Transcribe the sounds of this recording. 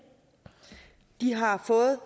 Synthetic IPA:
d̥iɦɑ̈fɔ̽ːð̩ˠ

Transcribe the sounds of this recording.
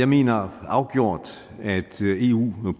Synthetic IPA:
ɑ̈ɪme̝̰ːnɐɑ̈ʊɡ̥jo̝ɐ̰d̥ | æd̥e̝ːṵː

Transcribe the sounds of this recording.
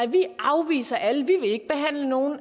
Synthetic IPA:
ʋiʔɑ̈ʊʋḭːsɐʔæləʋiʋe̝e̝ɡ̥̚b̥e̝ɦæn̰ləno̝ːn̩

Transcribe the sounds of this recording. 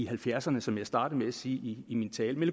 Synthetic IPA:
ihælfjæɐ̰sɐnəsɒ̽mjɑ̈ɪsd̥ɑ̈ːd̥̩ˠmeæsiːiːmint͡sʰɛːlmelə

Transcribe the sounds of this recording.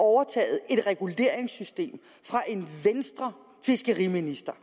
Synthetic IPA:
ɒʊɐt͡sʰɛ̰ːð̩ˠe̝d̥ʁɛɡ̥ule̝ːɐ̰eŋsysd̥e̝̰ːm | fʁɑ̈ʔe̝nʋensd̥ʁɐ | fesɡ̥əʁiminisd̥ɐ

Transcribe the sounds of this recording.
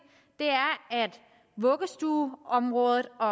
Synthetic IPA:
d̥e̝æɐæd̥ | ʋɔɡ̥əsd̥uːɒ̽mʁɔ̽ːðˠð̩ˠɒ̽

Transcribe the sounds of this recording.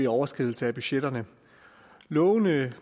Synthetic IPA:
iɒʊɐsɡ̥ʁið̞ˠl̩səæb̥yɕed̥ɐnə | lɔʊnə

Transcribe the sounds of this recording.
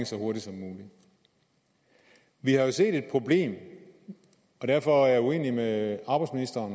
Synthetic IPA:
ŋsɒho̝ɐɾisɒ̽mːuːli | ʋihɑ̈jo̝se̝̰ːd̥e̝d̥̚pʰʁo̝ble̝̰ːm | ɒ̽d̥æɐ̰fɒ̽æɐjue̝̰ːnimeɑ̈b̥ɑɪdsminisd̥ɐːn

